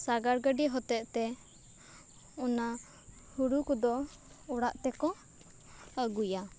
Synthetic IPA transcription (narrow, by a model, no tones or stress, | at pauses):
saɡaɾɡəɖiɦɔt̪ɛʔt̪ɛ | ɔna | huɽukɔd̪ɔ | ɔɽaʔt̪ɛkɔ | əɡuja